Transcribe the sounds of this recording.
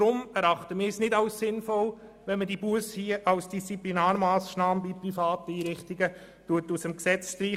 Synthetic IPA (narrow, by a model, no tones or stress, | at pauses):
ɾʊmɛɾɑχtəmɪːɪsnɪdɑʊssɪnfɔl | ʋɛnmədibuəshiəʔɑlsd̥ist͡siplinaːɾmɑːsʃnɑːməbiprifɑːtəiːɾɪχtiɡə | tuətusəmksɛt͡sʃtɾiː